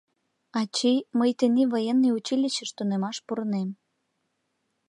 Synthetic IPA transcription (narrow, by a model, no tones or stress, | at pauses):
ɑt͡ɕijməjt̪eneβojenːiut͡ɕilʲiɕəʃt̪unemɑʃpuɾənem